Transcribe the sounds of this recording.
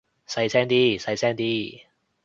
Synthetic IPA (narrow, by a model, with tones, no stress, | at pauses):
sɐ˧jsɛː˥ŋt̪iː˥˩sɐ˧˥jsɛː˥ŋt̪iː˥˩